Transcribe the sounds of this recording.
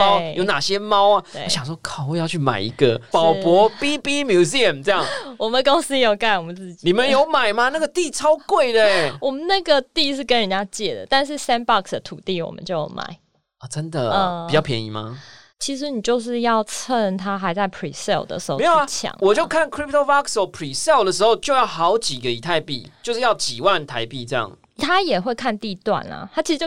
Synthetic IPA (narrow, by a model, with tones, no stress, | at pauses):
jo˧˦ʊna˨˩ɕjɛ˦mɑ˦˥ʊa˨wḛ˥˩˧ɕjɑ˨˩ŋʂwɔ˥kʰɑ˨˩ʊwɔ˥˧jɑ˥˧ʊt͡ɕʰy˥˩ma̰˨˩ɪḭ˧˥ɡə˨pɑ˨˩ʊpwɔ˧˥pi˦˥pi˦mju˧˥s̬i˥ə˨mt͡sə˥˧jɑ˥˩ŋwɔ˨˩mə˨nd̪ə˧kʊ˥ŋs̩˥jo˨˩ʊka˥˩ɪwɔ˨˩mə˦nt͡sɹ̩˥˩t͡ɕini˨˩mə˦njo˧˥ʊma˨˩ɪma˨na˥˩ɡə˨˩t̪i˥˨t͡sʰɑ˦˥ʊkwe˥˩ɪd̪ə˨wɔ˨˩mə˦nna˥˩ɡə˨t̪i˥˧ʂɻ̩˥˩kə˦nɻə˨nt͡ɕa˥t͡ɕjɛ˥˩d̪ə̰˩t̪a˥˧nʂ̬ɻ̩˥˩sɛ˥npɑ˥˧ksd̪ə˨t̪ʰu˨˩t̪i˥˨wɔ̰˨˩mə̰˦nt͡ɕjo˥˩ʊjo̰˧ʊma̰˨˩˦ɪ | ɔ˨˩ʈ͡ʂə˦nd̪ə̰˨ə˩i˨t͡ɕjɑ˥˩ʊpʰjɛ˦nḭ˧˥ma̰˦ | t͡ɕʰi˧˥ʂ̬ɻ̩˧˦ni˨˩t͡ɕjo˥˧ʊʂ̬ɻ̩˥˧jɑ˥˩ʊt͡sʰə˥˩nt̪ʰa˥xa˧˥ɪt͡sa˥˩ɪpʰɹḭ˨˩sɛ̰˥˩ld̪ə̰˩ʂɻ̩˧˥xo˥˧m˧˦˥jo˨a˧t͡ɕʰjɑ̰˨˩˦ŋwɔ˨˩t͡ɕjo˥˧ʊkʰa˥˨nkʰɹi˥p̚t̪o˥bɑ˥ksɔ˧˩pʰɹi˨˩sɛ˥˩ld̪ə˩ʂ̬̩˧˥ho˥˧ʊt͡ɕjo˥˧jɑ˥˩ʊxɑ˨˧˦ʊt͡ɕi˨˩ɡə˦i˨˩t̪ʰa˥˧ɪpḭ˥˨t͡ɕjo˥˧ʊʂɻ̩˥˧jɑ˥˩ʊt͡ɕi˨˩wa˥˨nt̪ʰa˧˦ɪpi˥˧ʈ͡ʂɤ˥˧jɑ̰˥˩ŋ | t̪ʰa˥jɛ˨˩xwe˥˧ɪkʰa˥˧nt̪i˥˧t̪wa̰˥˩nlɐ̰˩t̪ʰa˥t͡ɕi˧˥ʂ̩ɻt͡ɕ